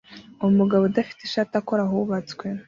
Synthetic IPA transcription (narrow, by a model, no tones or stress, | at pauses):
uumuɡaβodafi̥teʃaːtakoɾaɦuβat͡skwe̞